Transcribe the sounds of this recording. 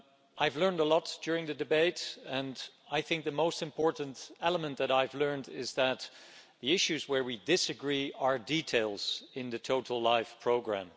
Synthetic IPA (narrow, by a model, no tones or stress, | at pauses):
ʔaɪvlɜ̃˞ndəlɔtd̥ʊɹɪ̃ŋðɨdɨbeɪɾɨ̃n | aɪθɪ̃ŋk̚ðɨmoʊstɨ̃mpʰɔɹʔn̩tɛlˠəmə̃nðɨɾaɪvlɜ̃˞ndɪzðɨt̪̚ðiɪʃʉzwə˞widɪsɨɡɹiə˞ditʰeɪlˠz̥ɪ̃nðɨtʰoʊɾl̩ˠlaɪfpʰɹ̥oʊɡɹæ̰̃m